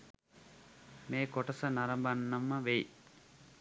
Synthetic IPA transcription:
meːkoʈɐsənaɾɐmbanːɐmːəʋej

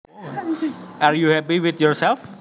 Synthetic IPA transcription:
aɹjuhɛpiwit̪jɔɹsɛlf

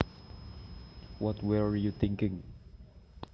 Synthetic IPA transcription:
wɔtwəjut̪ɪ̃ŋkɪ̃ŋ

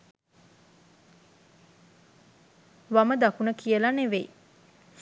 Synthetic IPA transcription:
ʋaməd̪akunəkiəlaneʋej

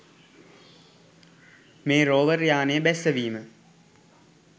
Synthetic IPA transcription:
meːɾoːʋəɾjaːnejəbɛsəʋiːmə

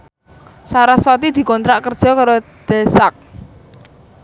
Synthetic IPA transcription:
saɾaswat̪id̪̥i̤kɔnt̪ɾaʔkərd̥ʒ̥ɔ̤kaɾod̪̥esak̚

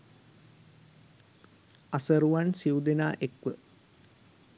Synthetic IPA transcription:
asəɾuʋansiud̪enaːʔekʋə

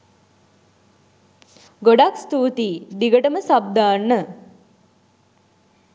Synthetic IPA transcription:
ɡoɖakst̪uːt̪iːɖ̪iɡəʈəməsab̚d̪aːnːə

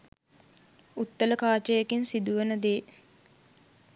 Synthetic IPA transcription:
ut̪ːələkaːt͡ʃəjekinsid̪uʋenəd̪eː

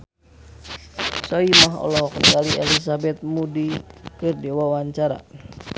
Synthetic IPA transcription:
sɔimaɦɔ̰lɔɦɔkənkaliɛlis̬abɛt̪̚mudikɨrdɛwawaɲt͡ʃaɾa̰

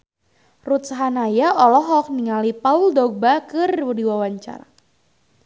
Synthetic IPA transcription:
rut̪saɦanajaʔɔlɔɦɔk̚niŋalipauldɔɡ̚bakɨrwudiwawaɲt͡ʃa̰ɾa̰

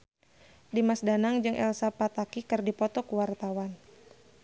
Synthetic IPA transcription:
dimasdanaŋd͡ʒɨŋʔɛ̰lsapat̪akikɨrdipɔt̪ɔkuwart̪awan

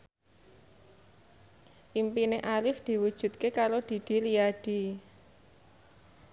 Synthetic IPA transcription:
ʔimpineʔalɪfd̪̥i̤wud̥ʒ̥ṳt̪̚kekaɾod̪̥i̤d̪̥i̤liaɖ̪̥i̤

